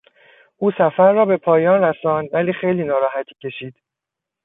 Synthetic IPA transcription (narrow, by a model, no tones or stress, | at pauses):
ʔuːsæfæɾːɒːbe̞pʰɒːjɒːnɾæsɒːnd̪væliːxejliːnɒːɾɒːɦæt̪ʰiːcʰe̞ʃiːd̪̥